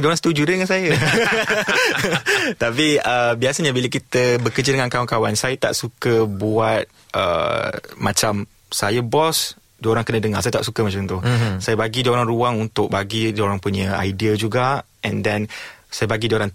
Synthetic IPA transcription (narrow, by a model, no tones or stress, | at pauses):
dioɾaŋsə̥t̪ud͡ʒudədəŋansajə | t̪apiəbiasaɲabilək̬it̪əbəkərd͡ʒədəŋãnkawaŋkawansajət̪a̰ʔsukəbuat̪̚ | ʔə̰mãt͡ʃam | sajəbɔs | doɾaŋkənədəŋa̰sajət̪aʔsukəmat͡ʃamt̪ʊsajəbaɡidoɾaŋruaŋunt̪ʊk̚baɡidoɾaŋpuɲə̃a̰jdiəd͡ʒuɡa | ʔɛ̰ndɛnsajəbaɡidioɾaŋ